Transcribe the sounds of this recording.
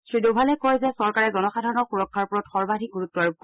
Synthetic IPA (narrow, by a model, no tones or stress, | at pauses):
sɹidobʱalɛkɔjzɛsɔɹkaɹɛzɔnɔxadʱaɹɔnɔxuɹɔkʰːaɹpuɹɔtxɔɹbadʱik̚ɡuɹutːɔɹk̚ː